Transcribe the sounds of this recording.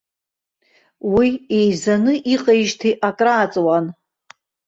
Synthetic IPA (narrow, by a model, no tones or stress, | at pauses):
wiejzanɨʔiqʼajʒtʰiʔakʼraːt͡sʼwan